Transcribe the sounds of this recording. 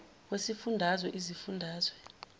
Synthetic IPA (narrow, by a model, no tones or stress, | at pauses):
k̬wesifundʱazwɛʔizifundʱaːzwɛ